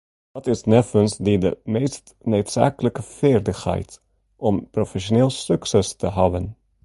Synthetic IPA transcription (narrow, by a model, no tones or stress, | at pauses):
dɑtɪsnɛfənsdidə̰mejst | nøɥtsa̰ːkələkəfɪːrdəxhɛ̰jt | ʔɔmprofɛʃoneːlˠsɵksɛstəɦɑbən